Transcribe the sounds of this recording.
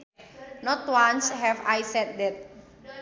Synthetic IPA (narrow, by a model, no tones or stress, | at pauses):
nɔtwãnshɛvajsɛt̪̚dɛt̪̚